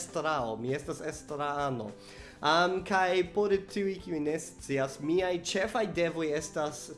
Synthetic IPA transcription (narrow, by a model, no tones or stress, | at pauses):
stɾaomie̞stasestɾaano̞̰ | amkajpoɾtʰiujkiujne̞st͡siasmiajt͡ʃe̞fajde̞vo̞je̞stas